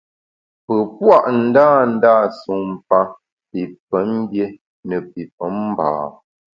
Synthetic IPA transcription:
pə˨pwa˦˨ʔn̩˨˦daː˦˨n̩˦da˦˨su˨m˨pa˦ | pi˨pə˨˦n˦bje˦ | nə˨pi˨p̚ə˨˦m˦ba̰ː˨

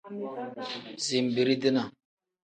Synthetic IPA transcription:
zi˨m˨bi˨ɾi˦di˦na˨

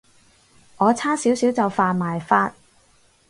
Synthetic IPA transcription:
ŋɔː˨˧t͡sʰaː˥siː˨˥wsiː˨˥wt͡sɐ˨wfaː˨nmaː˨jfaː˧t̚

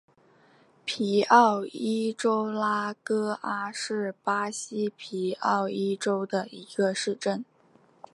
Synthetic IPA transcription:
pʰi˧˥ɑ˥˩ʊi˥ʈ͡ʂo˥ʊla˥kɤ˥a˥ʂɻ̩˥˩pa˥ɕi˥pʰi˧˥ɑ˥˩ʊi˥ʈ͡ʂo˥ʊd̪ə˨i˧˥ɡ̥ə˧ʂɻ̩˥˧ʈ͡ʂə˥˩n

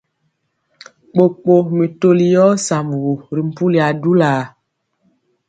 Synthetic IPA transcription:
k͡po˨k͡po˨mi˨to˦li˨jɔ˦sa˨m˨ɣu˨ɾi˨m̩˨pu˦li˨a˨du˦la˨

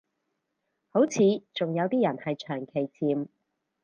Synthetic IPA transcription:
ho˨˥wt͡sʰiː˨˧t͡sʊ˨ŋjɐ˨˧wt̪iː˥jɐ˨˩nhɐ˨jt͡ʃʰœː˨˩ŋkʰe˨˩jt͡sʰiː˨˧m

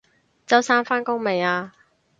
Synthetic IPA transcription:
t͡sɐ˥wsaː˥nfaː˥nkʊ˥ŋme˨˩jaː˧

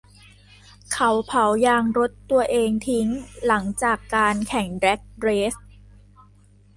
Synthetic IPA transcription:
kʰa˩˦wpʰa˨˩˦wjaː˧ŋɾo˦˥t̪ːu˧ɐʔeː˧ŋt̪ʰi˦˥ŋla˩˦ŋt͡ɕaː˨˩kːaː˧nkʰɛ˩˦ŋdɾɛ˦˥k̚ɾeː˦˥s̚

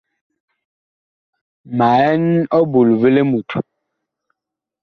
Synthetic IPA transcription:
ma˨ɛ˦nɔ˦bu˨lvə˦le˦mu˨tʰu˨

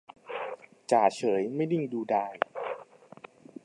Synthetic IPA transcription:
t͡ɕaː˨˩t͡ɕʰɤː˩˦jma˥˩jni˥˩ŋduː˧daː˧j

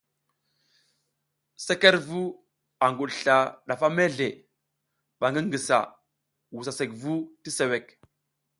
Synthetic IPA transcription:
se˦ke˦ɾvu˦ | a˨ŋɡu˨ɗɬa˨ɗa˨fa˦me˦ɮe˨ | ɓa˨ŋɡi˦ŋɡi˨sa̰˨ | wu˨sa˨se˨kvu˦ti˦se˨we˨k

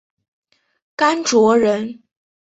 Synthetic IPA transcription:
ka˥nʈ͡ʂwɔ˧˥ɻə˧˥n

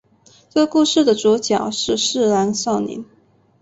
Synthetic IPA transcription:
t͡sɤ˥˧ku˥˧ʂɻ̩˥˩d̪ə˩ʈ͡ʂuɔ˧˥t͡ɕjɑ˨˩˦ʊʂɻ̩˥˧ʂɻ̩˥˩la˧˥nsɑ˥˩ʊnḭ˧˥n

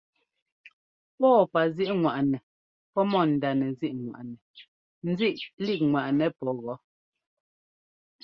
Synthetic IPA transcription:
pɔː˦˨pa˨zi˦ʔŋwa˨ʔnɛ˨ | pɔ˦mɔ˦˨n̩˨da˨nɛ˨zi˦ʔŋwa̰˨ʔnɛ˨ | n̩˦zi˦˨ʔli˦˨k̚ŋwa˨ʔnɛ˨pɔ˦ɣɔ˨˦

